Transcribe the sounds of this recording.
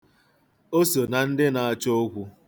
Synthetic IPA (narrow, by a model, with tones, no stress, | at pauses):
o˦so˨na˨n̩˦dɪ˦na˨a˦t͡ʃo˦ɡʷu˦